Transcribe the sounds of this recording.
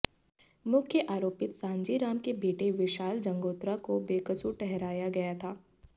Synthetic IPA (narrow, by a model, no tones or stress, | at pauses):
mʊkʰjəʔaːɾoːpɪt̪sãːɲd͡ʒiɾaːmkebeːʈeʋɪʃaːld͡ʒɐ̃ŋɡoːt̪ɾakobeːkət͡ʃuʈɛɦɾaːjaɡɐjat̪ʰaː